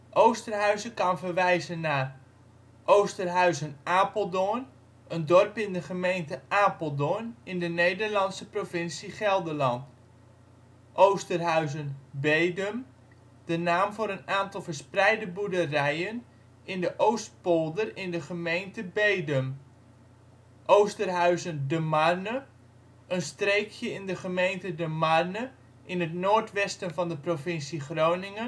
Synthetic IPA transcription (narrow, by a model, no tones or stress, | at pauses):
ʔowstərɦœɥzəkɑnvərʋɛjzənːaːr | ʔowstərɦœɥzənaːpolˠdoən | ʔəndɔrpɪndəχəmejntəʔaːpəlˠdoənɪndənejdərlɑntsəprovɪnsiχɛlˠdəlɑnt | ʔowstərɦœɥzənbejdəm | d̥ənaːmvʊːɾənaːntɑlˠfəɹsprɛjdəbudərɛjən | ɪndəʔowst̚polˠdərɪndəχəmejntəbejdəm | ʔowstərɦœɥzəndəmarnə | ʔənstreːkʰjəɪndəχəmejntədəmarnə | ʔɪnətnoːɹtʋɛstənvɑndəprofɪnsiχrownɪŋən